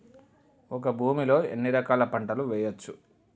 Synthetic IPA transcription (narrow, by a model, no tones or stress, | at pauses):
ɔkɐbʱuːmilo̞ːḛnːiɾɐkaːlɐpɐɳʈɐluʋɛːjɐt͡ʃːu